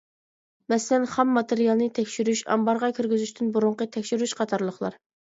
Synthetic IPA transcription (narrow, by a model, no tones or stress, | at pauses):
mɛsɪlɛnχɛmːɑt̪eɾijɑlˠnɨt̪ʰɛkʲʃyɾyʃɑ̰mbɑɾʁɑkʲʰyɾɡʲyzyʃt̪ʰynbuɾʊɴqət̪ʰɛkʲʃyɾyʃqʰɑt̪ʰɑɾlˠəχlˠɑ̰ɾ